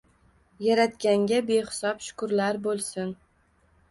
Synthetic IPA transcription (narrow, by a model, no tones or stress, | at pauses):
jaɾat̪kʲaŋɡʲabeχɪ̥sɒpʃʊ̥kʊɾlaɾbolˠsɪn